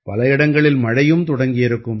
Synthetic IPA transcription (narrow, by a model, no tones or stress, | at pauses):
pɐlɐɪɽɐŋɡɐɭɪlmɐɻɐjɯmt̪ʊɽɐŋɡɪjɪɾɯkːɯm